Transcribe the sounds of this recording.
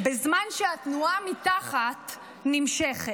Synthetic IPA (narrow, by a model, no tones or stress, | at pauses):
bezmanʃehatnuamitaχat | nimʃeχe